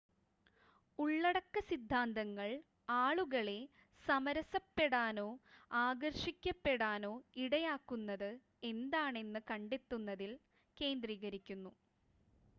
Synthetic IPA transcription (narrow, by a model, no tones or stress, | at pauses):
uɭːɐɽɐkːɐsid̪ʱːaːnd̪ɐŋːɐɭ | aːɭuɣɐɭe̞ | sɐmɐɾɐsɐpːe̞ɽaːno̞ːaːɡɐrʂikʲːɐpːe̞ɽaːno̞ːiɽɐjaːkːunːɐðɨ | e̞nd̪aːɳe̞nːɨkɐɳɖet̪ːunːɐðil | ke̞ːnd̪riːɣɐɾikʲːunːu